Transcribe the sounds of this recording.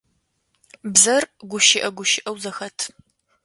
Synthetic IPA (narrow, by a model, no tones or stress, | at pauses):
bzɐrɡʷʊʃɪʔɐɡʷʊʃɪʔɐwzɐxɐtʰ